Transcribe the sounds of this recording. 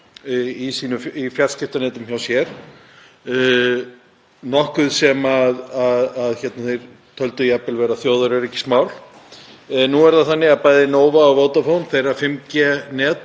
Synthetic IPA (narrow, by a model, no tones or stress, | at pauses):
isiːnʏifjḁscɪft̪anɛːt̪ʏmçawsjɛɾ̥ | nɔhkʏðsɛmaðaðaðçɛt̪naθejɾ̥ | t̪ʰœlt̪ʏiapɪlvɛːɾaθjoːwðʏɾɛɾɛcːɪ̥smaːwl | nuɛɾðaðθanːɪɣaðpaːjðɪnoːwvaːwvoːwt̪afownθejɾafɪmcɛnɛːt̪